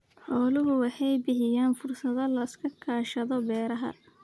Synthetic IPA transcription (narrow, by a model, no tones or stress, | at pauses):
ħɔːlʊɦʊwɑħɑjbɪɦɪjaːnfʊrsɐðɔlɐɪskʰɐkʰaːʃɐðɔbɛːɾɐɦɐ̰